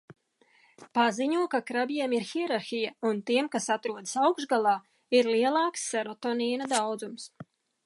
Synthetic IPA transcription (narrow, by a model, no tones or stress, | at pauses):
paziɲuɔkakɾabjiɛmiɾxiɛɾaɾxijaunt̪iɛmkasat̪ɾuɔd̪əsawkʒɡalˠɑː | iɾliɛlˠɑːksːɛɾɔt̪ɔniːnad̪awd̪zums